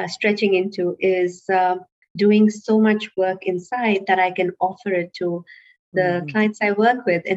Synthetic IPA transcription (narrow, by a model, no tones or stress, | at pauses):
sʈɹɛt͡ʃɪ̃ŋɪ̃ntʰuʔɪz | ɖuɪ̃ŋsomʌt͡ʃwɜːkɪ̃nsaɪd̚d̪æɾaɪkɨ̃nɔfəɾɪtʰːu | d̪əkʰlaɪə̃ntsaɪwəːkwɪd̪ɨ̃